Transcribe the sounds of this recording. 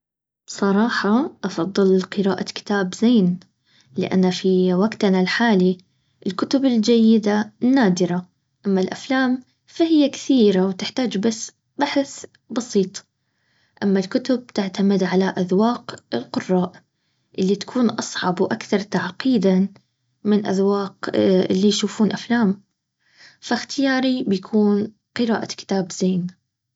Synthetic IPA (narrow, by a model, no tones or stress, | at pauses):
bsˤɑɾˤɑːħɑʔɑfɑðˤːɨlqɨɾaːʔakɪ̥t̪aːbzeːn | lɪ̰ʔa̰nːafiwaɡt̪nalħaːli | ʔɪlkʊt̪ʊbɪld͡ʒajːɪd̪anːaːd̪ɪɾa | ʔamːalʔaflaːm | fahɪjːakθiːɾawt̪ɪħt̪aːd͡ʒbasː | baħθ | bɑsiːt̪ˤ | ʔamːalkʊt̪ʊb̚t̪ɪʕt̪amɪd̪ʕalaʔaðwɑːqɪlqʊrˤːɑːʔ | ʔɪlːit̪ḁkʰuːnʔɑsˤʕɑbwʔakθɑɾˤt̪aʕqiːd̪a | mɪnʔa̰ðwɑːqʔɪ̰lːijʃuːfuːnʔaflaːm | faxt̪ɪjaːɾibjakʰuːn | qɨɾa̰ːʔakɪ̥t̪aːbz̥eːn